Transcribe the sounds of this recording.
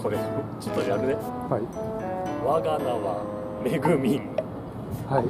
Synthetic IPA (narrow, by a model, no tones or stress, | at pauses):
kʰoɾet͡ɕot̪ːojaɾɯ̟d̪es | hai | βaɡanaβa | ɾe̞ɡɯ̟mʲĩŋ | hai